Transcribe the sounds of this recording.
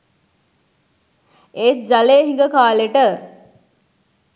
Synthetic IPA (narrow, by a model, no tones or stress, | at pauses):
eːt̪̚d͡ʒaleːɦĩŋɡəkaːleʈə